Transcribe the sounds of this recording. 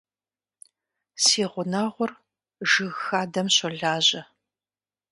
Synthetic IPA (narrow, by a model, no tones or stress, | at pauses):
siːʁʷʊnaʁʷʊr | ʒɨɣxaːdɐmɕɔɮaːʑɐ